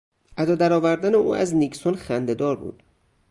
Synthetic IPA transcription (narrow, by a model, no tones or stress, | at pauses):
ʔæd̪ɒːd̪æɾɒːvæɾd̪æneʔṵːæ̰zniksonxænd̪e̞d̪ɒːɾbṵːd̪̥